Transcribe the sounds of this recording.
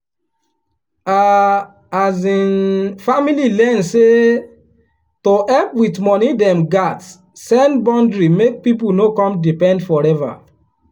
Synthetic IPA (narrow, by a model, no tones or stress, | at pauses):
a | azĩnfamililɛnse | toɛpwitmɔnidɛ̃mɡat | sɛ̃nbɔ̃ndɹimek̚pipunokɔ̃mdipɛ̃ndfɔɹɛva̰